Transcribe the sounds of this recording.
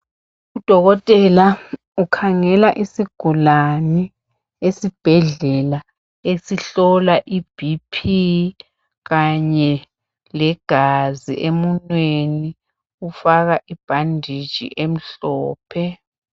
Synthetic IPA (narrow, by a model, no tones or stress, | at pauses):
ud̥ʱɔɣɔtʼɛla | ukʰaŋɛlaʔisiɡ̥ʱulanɛ | esib̥ʱɛɮɛla | esiɬɔlaʔib̥ʱipʰi | ɣaɲɛ | lɛɡ̥ʱazḭʔemunnweni | ufaɣaʔib̥ʱandʱi̥ʒ̥ʱḭʔem̩ɬɔːpʰɛ